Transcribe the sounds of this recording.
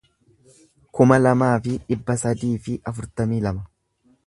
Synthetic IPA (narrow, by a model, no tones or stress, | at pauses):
kʊmɐlɐmaːfɪᶑɪbːɐsɐd̪iːfɪʔɐfʊɾt̪ɐmiːlɐmɐ